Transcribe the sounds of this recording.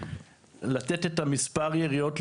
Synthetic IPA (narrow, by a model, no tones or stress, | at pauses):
latet̪etamispaʁjeʁio̞t